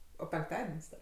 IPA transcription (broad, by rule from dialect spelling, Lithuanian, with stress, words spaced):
oː pʲɛŋkˈtɑːdʲɛnʲsʲ ˈdɐ